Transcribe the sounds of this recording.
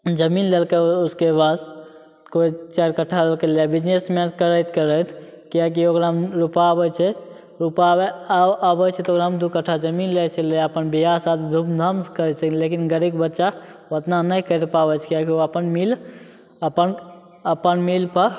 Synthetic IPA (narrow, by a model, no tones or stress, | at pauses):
d͡ʒəminlelkeuskebad̪ | koit͡ʃaɾkəʈʰːalelkelebid͡ʒnesmekəɾəjt̪ʰkəɾət̪ʰkiak̬iokɾamɾupaəbəjt͡ʃʰɛ | ɾupabeaəbət͡ʃʰɛt̪okɾamd̪ukəʈʰːad͡ʒəminlet͡ʃʰɛleəpənbiɦasat̪ʰd̪ʱupd̪ʱəmskəɾɛsʰəklekinɡəɾikbətːʃaət̪nanəjkəɾpabət͡ʃʰkijakioəpənmil | əpən | əpənmilpəɾ